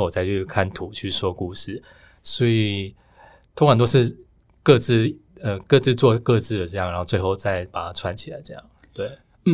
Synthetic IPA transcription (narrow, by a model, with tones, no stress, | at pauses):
wɔ˨˩t͡sa˥˧ɪt͡ɕʰy˥˩kʰa˥˩nt̪ʰu˨˩˦t͡ɕʰy˥˩swɔ˥ku˥˧ʂɻ̩˥˩ | swɔ˧˥i˨˩ | t̪ʰo˥ŋʰa˨˩nt̪o˥ʊʂɻ̩˥˧ | kɤ˥˧t͡sɹ̩˥˩ə˧˩kɤ˥˧t͡sɹ̩˥˧t͡swɔ˥˧kɤ˥˧t͡sɹ̩˥˩d̪ə˩ʈ͡ʂɤ˥˧jŋɻnxo˥˧t͡swe˥˧ɪxo˥˧ʊt͡sa˥˩ɪpa˨˩t̪ʰa˥ʈ͡ʂʰwa˥˧nt͡ɕʰi˨˩la̰˧˦ɪʈ͡ʂɤ˥˧jɑ̰˥˩ŋ | t̪we˥˩ɪ˥˨˩